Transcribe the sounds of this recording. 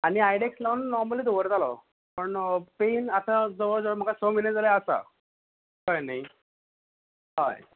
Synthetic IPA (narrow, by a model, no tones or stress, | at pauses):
aɽ̃iajɽekslənːɔɾməlid̪oʋəɾd͡z̪alɔ̰ | pəɳpenat̪ad͡zəʋəɾd͡zom̤əkasɔmined͡zaljaəsa̰ | kajnaj | ɦaj